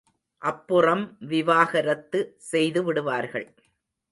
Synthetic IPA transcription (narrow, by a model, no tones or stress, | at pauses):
ʔɐpːɯrɐmʋɪʋaːɣɐɾɐt̪ːɯsɛjðɯʋɪɽɯʋaːɾɣɐ̰ɭ